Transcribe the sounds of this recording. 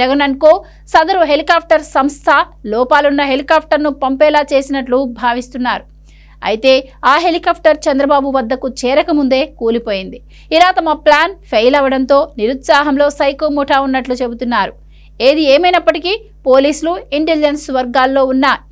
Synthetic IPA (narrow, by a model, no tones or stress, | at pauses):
d͡ʒɐɡɐnɐnkoː | sɐd̪ɐɾuɦe̞likaːp̚ʰʈɐɾsɐmst̪ʰɐlɔːpaːlunːɐɦe̞likaːp̚ʰʈɐɾnupɐmpɛːlaːt͡ʃe̞ːsinɐʈlubʱaːʋist̪unːaːɾu | ɐ̰jit̪e̞ːaːɦe̞likaːp̚ʰʈɐɾt͡ʃɛnd̪ɾɐbaːbuʋɐd̪ːɐkut͡ʃɛːɾɐkɐmund̪e̞ːkuːlipo̞ːjind̪i | ilaːt̪ɐmɐplaːnpʰejlɐʋɐɽɐnt̪o̞ːniɾut̪saːɦɐmlo̞ːsɐjkoːmuʈʰaːunːɐʈlut͡ʃe̞but̪unːaːɾu | eːd̪ieːmɐjnɐpːɐʈiki | po̞ːliːsuluiɳʈeld͡ʒensʋɐɾɡaːlːo̞ːunːɐ